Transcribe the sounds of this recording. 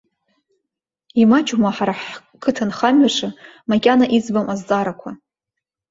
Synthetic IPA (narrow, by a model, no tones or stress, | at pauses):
imat͡ʃʼumaħaɾaħ | kʰɨtʰanχamɥaʂɨmakʲʼanaʔid͡zbamʔazd͡zʼaɾakʷʰa